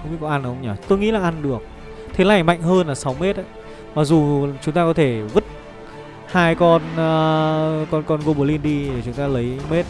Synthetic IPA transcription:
ŋ͡mi˧˦kɔ˨˦ʔa˧n˨˩ə˧ŋ͡mɲɔ˧˩t̪o˧jŋḭ˧˥laː˨˩ʔa˧nɗɨ˨˩ək̚ | t̪ʰe˨˦laː˧˨˩jma̰˧˨jŋ̟ɦəː˧nlaː˨˩sa˨˦wme˦˥t̚ʔə˨˦j | maː˨˩zu˨˩t͡ɕʊ˨˦ŋ͡mt̪aː˧kɔ˨˦t̪ʰe˧˩vɨ˦˥t̚ | haː˧jkɔ˧nː˧ | kɔ˧nkɔ˧nɣo˧ɓu˧˩li˧nɗi˧e˨˩t͡ɕʊ˨˦ŋ͡mt̪aː˧lə˨˦jme˦˥t̚

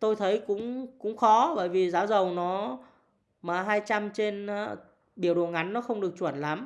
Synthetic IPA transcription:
t̪o˧jt̪ʰə˨˦jkʊ̰˧˥ŋ͡mkʊ̰˧˥ŋ͡mxɔ˨˦ɓə̰ː˧˩jvi˨˩zaː˨˦wzə˨˩wnɔ˨˦ | maː˨˩ɦaː˧jt͡ɕa˧mt͡ɕe˧n˧ | ɓi˧˩əwɗu˨˩əŋʔa˨˦jnːɔ˨˦xə˧wŋ͡mɗɨ˨˩ək̚t͡ɕwə˧˩nla˨˦m

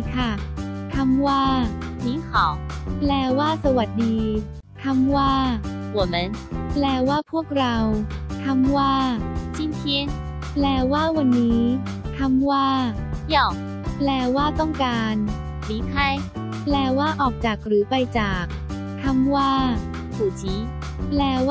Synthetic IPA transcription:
kʰa˥˩t̪ʰa˧mwaː˥˩miː˨˦˥ŋkʰɔː˨˩˦ŋplɛː˧˩waː˥˩sa˧wa˨˩t̪̚diː˧ | t̪ʰa˧˥mwaː˥˩u˨˩˦meː˧˥nplɛː˧waː˥˩pʰu˥˩ək̚ɾa˧wt̪ʰa˧mwaː˥˩t͡ɕi˧˥nk̪ʰi˧˥ | plɛː˧˩waː˥˩wa˧nːiː˦˥ | t̪ʰa˧˥mwaː˥˩ | jɔ˧˩ | plɛː˧waː˥˩t̪ɔ˥˩ŋkaː˧n | miː˨˦˥kʰa˥˩j | plɛː˧waː˥˩ʔɔː˨˩k̚t͡ɕaː˨˩k̚ɾɯː˩˦pa˧jt͡ɕaː˨˩k̚ | t̪ʰa˧˥mwaː˥˩ | sʰuː˨˩t͡ɕʰiː˨˦ | plɛː˧w

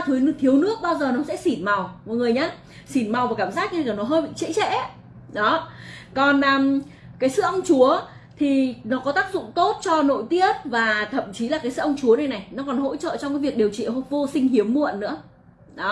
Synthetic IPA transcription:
t̪ʰɨ˨˦jt̪ʰi˨˦əwnɨ˦˥ək̚ɓaː˧wzəː˨˩nɔ˨˦sɛ̰˧˥si˧˩nma˨˩wmɔ̰˨ŋɨ˨˩əjɲaː˧ | si˧˩nma˨˩wvaː˨˩kaː˧˩mzaː˦˥k̚ɲː˧˨˩nɔ˨˦ɦəː˧jɓḭ˧˨ŋt͡ɕɛ̰˧˥t͡ɕɛ̰˧˥ | ɗɔ˨˦kɔ˨˩nʔəː˨˩m | kaː˨˦jsɨ̰˧˨ʔə˧wŋ͡mt͡ɕu˨˦ə | t̪ʰi˨˩nɔ˨˦kɔ˨˦t̪aː˦˥k̚zʊ̰˧˨ŋ͡mt̪o˦˥t̚t͡ɕɔ˧no̰˧˨jt̪i˦˥ət̚vaː˨˩t̪ʰə̰˧˨mt͡ɕi˨˦laː˨˩kaː˨˦sɨ̰˧˨ʔə˧wŋ͡mt͡ɕu˨˦ənə˨˧˩jna˨˩jnɔ˨˦kɔ˨˩nɦo̰˧˥t͡ɕə̰ː˧˨t͡ɕɔ˧wŋ͡mkaː˨˦vi˨˩ək̚ɗe˨˩əwt͡ɕḭ˧˨ɦvo˧sï˧ŋ̟hi˨˦əmːṵ˧˨ə˨nːɨ̰˧˥ə | ɗɔ˨˦

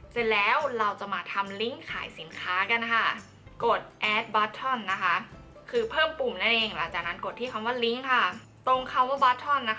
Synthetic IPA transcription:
se˧nlɛː˦˥wɾa˧wt͡ɕa˨˩maː˧t̪ʰa˧mli˦˥ŋkʰa̰ː˨˩˦jsi˩˦nkʰaː˦˥ka˧nkʰa˥˩ | ko˨˩t̪̚ʔɛː˦˥t̪̚ba˦˥t̪ʰːɔ˥˩nːa˦˥kʰa˦˥ʔ | kʰɯː˧pʰɤː˥˩mpu˨˩mna˥˩nʔeː˧ŋla̰˩˦ŋt͡ɕaː˨˩k̚na˦˥nko˨˩t̪ʰːiː˥˩kʰa˧mwaː˥˩li˦˥ŋkʰa˥˩ | t̪o˧ŋkʰa˧˥˩waː˥˩baː˦˥t̪ʰːɔ˥˩nːa˦˥

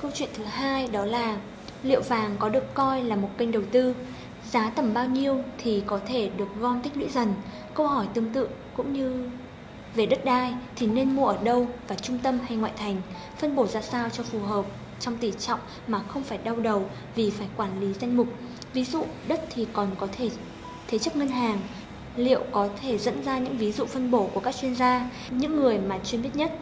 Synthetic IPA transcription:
kə˧wt͡ɕwḭ˧˨ənt̪ʰɨ˨˦ɦaː˧jɗɔ˨˦laː˨˩ | lḭ˧˨əwvaː˨˩ŋkɔ˨˦ɗɨ˨˩əkkɔ˧jlaː˨˩mo˨˩t̚kə˧jŋ̟ɗə˨˩wt̪ɨ˧ | zaː˨˦t̪ə˧˩mɓaː˧wɲi˧əwt̪ʰi˨˩kɔ˨˦t̪ʰe˧˩ɗɨ˨˩ək̚ɣɔ˧nt̪ï̟˦˥lwḭ˧˥zə˨˩n | kə˧whɔ˧˩jt̪ɨ˧əŋt̪ɨ̰˧˨əŋkʊ̰˧˥ŋ͡mɲɨ˧ | ve˨˩ɗə˦˥t̚ɗaː˧jt̪ʰi˨˩ne˧nmu˧əʔəː˧˩ɗə˧wvaː˨˩t͡ɕʊ˧ŋ͡mt̪ə˧mɦa˧jŋwa̰ː˧˨jt̪ʰa˨˩jŋ̟ | fə˧nɓo˧˩zaː˧saː˧wt͡ɕɔ˧fu˨˩ɦəː˨˩p̚ | t͡ɕɔ˧wŋ͡mt̪i˨˩t͡ɕɔ̰˧˨wŋ͡m | maː˨˩xə˧wŋ͡mfaː˧˩jɗa˧wɗə˨˩w | vi˨˩faː˧˩jkwaː˧˩nli˨˦za˧jŋ̟mʊ˨˩k͡p̚ | vi˨˦zṵ˧˨ɗə˦˥t̚t̪ʰi˨˩kɔ˨˩nkɔ˨˦t̪ʰe˧˩ | t̪ʰe˨˦t͡ɕk̚ŋə˧nɦaː˨˩ŋ | lḭ˧˨əwkɔ˨˦t̪ʰe˧˩zə̰˧˥nzaː˧ɲɨ̰˧˥ŋvi˨˦zṵ˧˨fə˧nɓo˧˩ku˧˩əkaː˦˥k̚t͡ɕwi˧ənzaː˧ | ɲɨ̰˧˥ŋːɨ˨˩əjmaː˨˩t͡ɕwi˧nmɓi˦˥t̚ɲə˦˥t̚

